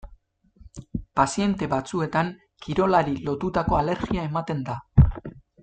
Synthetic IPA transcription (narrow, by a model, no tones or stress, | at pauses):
pasie̞nt̪e̞βat͡sue̞t̪aŋ | kiɾo̞laɾilo̞t̪ut̪ako̞ale̞ɾɣiae̞mat̪e̞nd̪a